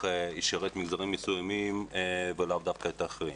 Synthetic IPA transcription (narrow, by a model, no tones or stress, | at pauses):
eiʃeʁet̪miɡzaʁimːesujamimvelavd̪afkaet̪aːχʁi